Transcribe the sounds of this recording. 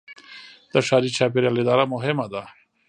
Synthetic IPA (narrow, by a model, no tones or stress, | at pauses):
d̪̥aʂɑːɾit͡ʃɑp̬ɪɾjalɪd̪ɑɾamʊɦɪmad̪a